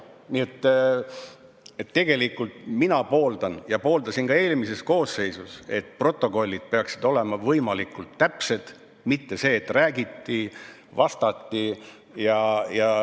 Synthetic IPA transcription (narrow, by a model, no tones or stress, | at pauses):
nie̞t̪ː | et̪ːe̞ɡ̥e̞likːˑult̪minɑpo̞ːld̪̥ɑnjɑpo̞ːld̪ɑsinkɑe̞ːlmise̞sko̞ːsːe̞jsuse̞̰t̪pro̞t̪ːˑo̞ko̞lʲːid̪̥̚pe̞ɑksid̪̥o̞le̞mɑvɤjmɑlikːˑult̪ːæpse̞d̪̥ | mit̪ːe̞se̞ːt̪ːˑræːɡit̪ːi | vɑst̪ɑt̪ːi | jɑjɑ